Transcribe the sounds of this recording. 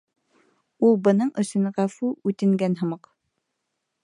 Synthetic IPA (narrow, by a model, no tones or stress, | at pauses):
ulˠbɤ̆nɤɴɵ̆sɵ̆nʁæfʉʉt̪ɘ̆ŋɡænɦɤ̆mɤq